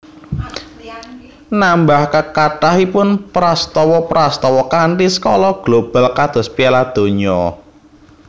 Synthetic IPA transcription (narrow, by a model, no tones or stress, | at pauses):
nambahkəkaɖ̥ahipʊnpɾast̪ɔwɔpɾast̪ɔwɔkaɳʈisə̥kɔlɔɡ̥lob̥a̤lkad̪̥ɔ̤spialad̪̥o̤ɲɔ